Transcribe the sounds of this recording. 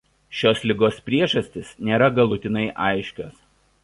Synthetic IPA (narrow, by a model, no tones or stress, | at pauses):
ʃʲoːslʲɪɡoːspʲɾʲiɛʒɐsʲt̪ʲɪsnʲeːɾɐɡɐlˠʊt̪ʲɪnɐɪʔɑ̰ˑɪʃʲkʲoːs